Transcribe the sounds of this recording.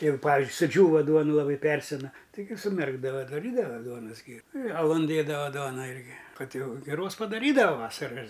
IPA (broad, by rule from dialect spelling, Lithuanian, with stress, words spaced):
ɪr ˈpɑːʋʲɪzʲd͡ʒʲʊɪ sʊˈd͡ʒʲuːʋɐ ˈduɔnʊ lˠɐˈbɐɪ ˈpʲɛrʲsʲɛnɐ tɐɪˈɡʲɪ sʊˈmʲɛrɡdɐʋɐ dɐˈrʲiːdɐʋɐ ˈduɔnɐs ˈɡʲɪrʊ ɪ ɐˈlˠʊn ˈdʲeːdɐʋɐ ˈduɔnɐ ˈɪrʲɡʲɪ ˈkɐt ˈjɛʊ ɡʲɪˈroːs pɐdɐˈrʲiːdɐʋɐ ˈʋɑːsɐrɐ ɪr